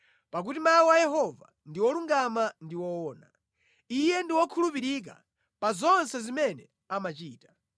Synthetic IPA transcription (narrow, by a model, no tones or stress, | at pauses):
pak̬utimawajɛɦɔva̰ndiwɔluŋɡamandiwɔwɔːna | ijɛndiwɔkʰulupiɾik̬a̰ | pazɔnsɛzimɛnɛ | amat͡ʃiːtḁ